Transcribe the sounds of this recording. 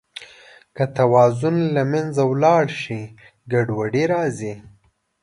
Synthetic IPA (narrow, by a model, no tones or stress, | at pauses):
kat̪awɑːzʊnlamanzawlɑɽʃi | ɡaɖwaɽiɾɑːzi